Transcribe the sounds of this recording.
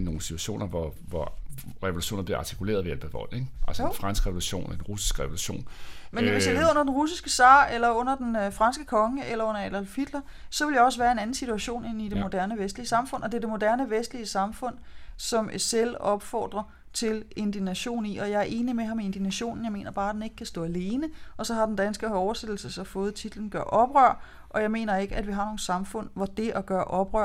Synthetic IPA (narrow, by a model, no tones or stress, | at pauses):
no̝ːn̩si̥t͡sʰu̥æɕo̝̰ːnɐʋɒʋɒ | ʁɛo̝luɕo̝̰ːnɐbliɐɑ̈ːt͡sʰi̥kʰule̝̰ːɐðˠʋeælb̥æʋɒ̽l̰eɡ̥ʔælsfʁɑ̈nsɡ̥ʁɛʋo̝luɕo̝̰ːnd̥enʁusi̥sɡ̥ʁɛʋoluɕo̝̰ːnmennʋe̝jɑe̝ːðˠɔ̽nɐd̥enʁusisɡ̥əsɑ̈ːelɐɔ̽n̰ɐd̥enfʁɑ̈nsɡ̥əkʰɒ̽ŋəelɐɔ̽n̰ɐælælfid̥lɐsɒ̽ʋe̝ljɒ̽sʋæːɐe̝næn̩sit͡sʰuæɕo̝̰ːne̝nid̥e̝mo̝d̥æɐnəʋesd̥liəsɑ̈mfɔ̽n̰ʔɒ̽d̥e̝ɐd̥e̝mo̝d̥æɐnəʋesd̥liəsɑ̈mfɔ̽n̰sɒ̽mselɒ̽b̥fɒ̰ːd̥ʁɐ | t͡sʰe̝le̝nd̥inæɕo̝̰ːn̩ḭɒ̽jɑ̈ɪæɐʔe̝ːnimeɦɑ̈mee̝nd̥inæɕo̝̰ːnn̩jɑ̈me̝̰ːnɐb̥ɑ̈ːd̥ene̝ɡ̥əkʰæsd̥ɔ̰ːæle̝ːnəɒ̽sɒ̽ɦɑ̈den̩d̥ænsɡ̥əɒʊɐsed̥l̩səsɒ̽fɔ̽ːð̞̩ˠt͡sʰid̥ln̩ɡ̥ɶɐʔɒ̽b̥ʁœɐ̰ | ʔɒ̽jɑ̈ɪme̝̰ːnɐe̝ɡ̥əædʋiɦɑ̈no̝ːn̩sɑ̈mfɔ̽n̰ʋɒd̥e̝ʔæɡ̥ɶːɐʔɒ̽b̥ʁœɐ̰